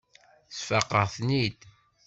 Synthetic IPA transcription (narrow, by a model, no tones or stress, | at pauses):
sfɑqːəʁθnid̪